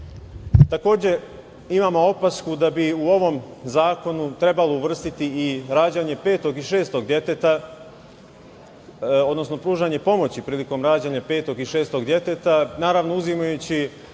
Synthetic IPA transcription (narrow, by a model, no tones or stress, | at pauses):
t̪ako̞ːd͡ʑe̞ | imaːmo̞o̞paskud̪abiuo̞ʋo̞mzaːko̞nut̪ɾe̞balouʋr̩st̪it̪iiɾaːd͡ʑaɲe̞pe̞ːt̪o̞ɡiʃe̞ːst̪o̞ɡd̪jet̪et̪a | o̞d̪no̞sno̞pɾuːʒaɲe̞po̞mo̞t͡ɕipɾiːliko̞mɾaːd͡ʑaɲapeːt̪o̞ɡiʃe̞ːst̪o̞ɡd̪je̞t̪et̪anaːɾaʋno̞uzimajut͡ɕi